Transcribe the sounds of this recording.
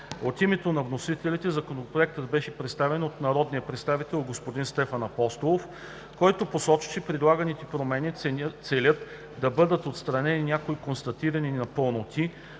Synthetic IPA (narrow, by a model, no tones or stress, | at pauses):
ot̪imɛt̪onɐvnosit̪ɛlit̪ɛzɐkonopɾoɛk̚t̪əd̪bɛʃɛpɾɛt̪st̪avɛnot̪nɐɾɔd̪nijɐpɾɛt̪st̪avit̪ɛlˠɡospod̪inst̪ɛfɐnɐpɔst̪olˠof | kɔjt̪oposɔt͡ʃi̥t͡ʃɛpɾid̪lˠaɡɐnit̪ɛpɾomɛnit̪sɛlʲət̪ | d̪ɐbɤd̪ət̪ot̪st̪ɾɐnɛninʲjakoikonst̪ɐt̪iɾɐninɐpɤlˠnot̪i